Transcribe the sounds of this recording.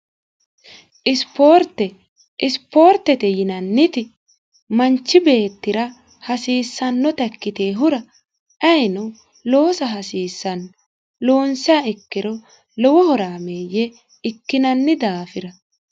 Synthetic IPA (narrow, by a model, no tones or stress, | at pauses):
ʔɪspo̞ːɾt̪ːɛ | ʔɪspo̞ːɾt̪ːɛt̪ɛjɪnɐnːɪt̪ɪ | mɐnt͡ʃːɪbe̞ːt̪ːɪɾɐ | hɐsiːsːɐnːɔt̪ɐkːɪt̪e̞ːɦʊɾɐ | ʔɐjnɔ | loːsɐɦɐsiːsːɐn | lo̞ːnsɪaɪkːɪɾɔ | lɔwɔhɔɾaːmeːjːɛ | ɪkːɪnɐnːɪd̪aːfɪɾɐ